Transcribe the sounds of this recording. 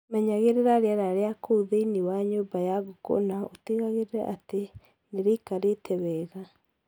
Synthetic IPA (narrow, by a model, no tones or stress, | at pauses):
mɛɲaɣeɾeɾaɾeaɾaɾeakouðeiniwaɲoːbajaɣoko̰naoteɣaɣeɾeɾɛ̰ʔate | neɾeikaɾetʰɛwɛːɣa